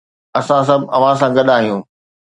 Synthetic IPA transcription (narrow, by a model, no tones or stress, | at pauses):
ɐsãs̬ɐbʱɐʋ̤ãs̬ãɡɐɗaːɦijũː